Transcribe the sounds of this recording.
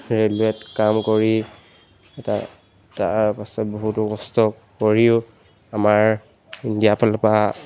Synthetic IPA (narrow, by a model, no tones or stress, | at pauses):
ɹeluɛtkamkoɹi | ɛta̰ | ta̰pasɔbɔɦutɔkɔstɔ | koɹiʊ | amaɹ | indijapʰalpa